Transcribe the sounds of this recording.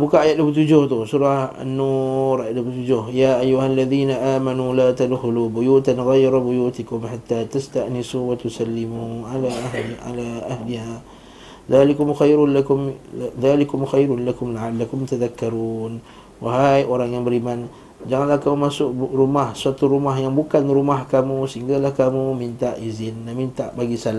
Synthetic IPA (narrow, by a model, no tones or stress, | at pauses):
bukaajat̪̚duəput̪̬ud͡ʒʊht̪ʊsuɾaha̰nːuɾajat̪̚duəput̪ud͡ʒʊhjaːʔajːuɦalːaðiːnaʔaːmanulaːt̪alhlubʊjuːt̪anɣajɾabʊjuːt̪ikʊmħat̪ːaːt̪ast̪aʔnɪsuwat̪usalːɪmualaa̰laʔahliha | ðaːlikʊmxajɾʊlakʊmðalikʊmxajɾʊnlakʊmlaʕalːakʊmt̪aðakːaɾuun | waɦajʔoɾaŋjaŋbəɾiman | d͡ʒaŋanlahkamumasʊkrumahsuat̪uɾumaɦjaŋbukanɾumahkamusəiŋɡalahkamumint̪aʔizɪnlahmint̪aʔbaɡisala